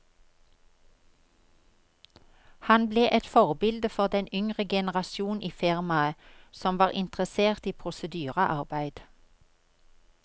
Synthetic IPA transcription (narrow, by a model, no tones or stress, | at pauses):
hɑnbleːʔɛt̪fɔʁbɪld̪əfɔʁd̪ɛnʏŋʁəɡɛnəʁɑsjuːnʔiːfɪʁmɑəsɔmʋɑːʁɪnt̪ʁəseːʁt̪iːpʰʁʊsəd̪yːʁəʔɑʁbæɪd̪̥